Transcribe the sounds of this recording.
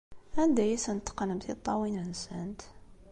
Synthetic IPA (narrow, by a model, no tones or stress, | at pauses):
ænd̪æjæsænət̪ːqnəmθit̪ˤːɑwinənsənt̪